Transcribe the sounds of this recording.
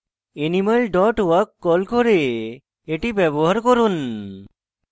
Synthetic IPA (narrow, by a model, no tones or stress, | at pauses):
enimalɖɔʈwakːɔlkɔɾeː | ʈibɛbɔɦaɾkɔɾun